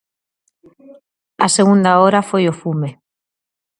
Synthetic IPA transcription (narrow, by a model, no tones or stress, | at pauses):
aseɣund̪aoɾafojofume